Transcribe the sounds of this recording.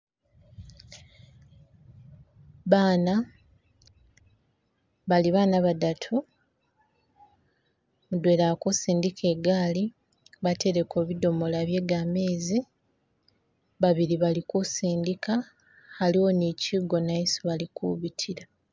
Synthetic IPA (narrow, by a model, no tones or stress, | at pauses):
βaːna | βaliβaːnaβadatʰu | mudwe̞ːlakusiːndikʰe̞ɡaːli | βate̞ɾe̞ko̞ːβido̞mo̞laβje̞ɡame̞ːzi | βaβiɾiβalikusiːndika | haliwo̞niciɡo̞naisiβalikṵβitʰiɾa